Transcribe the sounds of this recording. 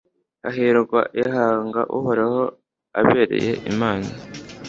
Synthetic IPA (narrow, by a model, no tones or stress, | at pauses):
aɦiɾuɡwa̰jeɦaːŋɡa̰ʔuhoɾeho̞ | aβeːɾe̞̰je̞̰ʔimaːna